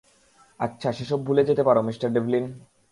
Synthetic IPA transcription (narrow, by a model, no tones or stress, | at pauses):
atːɕʰaʃeʃɔbːʱuled͡ʑet̪epaɾomisʈaɾɖeblin